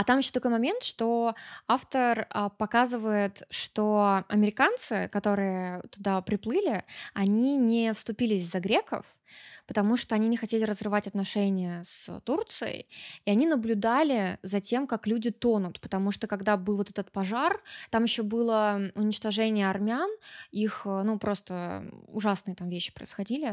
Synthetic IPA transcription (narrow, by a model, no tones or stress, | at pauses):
ɐt̪amjɪɕːot̪ɐkojmɐmʲe̞nt̪ʂt̪o̞aft̪ərəpɐkazɨvəjɪt̪ʂt̪oɐ̰mʲɪɾʲɪkant̪sɨ̰kɐt̪o̞ɾɨjət̪ʊd̪apɾʲɪplˠɨlʲɪɐnʲinʲɪfst̪ʊpʲilʲɪsʲzɐɡɾʲekə̰f | pət̪ɐmuʂt̪oɐnʲinʲɪxɐtʲelʲɪɾəzrɨvatʲɐt̪nɐʂɛnʲɪjəst̪urt̪sɨjə̰jiɐnʲinəblʲʊd̪alʲɪzɐtʲe̞mkaklʲudʲɪt̪o̞nʊt̪pə̥t̪ɐmuʂt̪okɐɡd̪abɨlˠvot̪ɛt̪ət̪̚pɐʐart̪amjɪɕːobɨlˠəʊnʲɪt͡ɕt̪ɐʐɛnʲɪjəɐrmʲanixnupɾʔo̞st̪əʊʐasnɨjət̪amvʲeɕːɪ̥pɾə̰ɪsxɐdʲilʲɪ